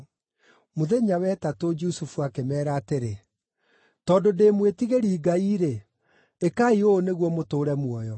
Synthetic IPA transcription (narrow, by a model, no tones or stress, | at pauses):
moðeɲawɛtatod͡ʒusufuakemɛːɾaːteɾe | tɔndodeːmwetiɣeɾiːɡaiːɾe | ekaioːneɣwɔmotoːɾɛmwɔjɔ